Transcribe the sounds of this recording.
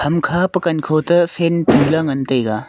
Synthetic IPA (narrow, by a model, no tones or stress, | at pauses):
kʰɐmkʰapɐkɐnkʰowtɐsentulɐŋɐntɐjɡa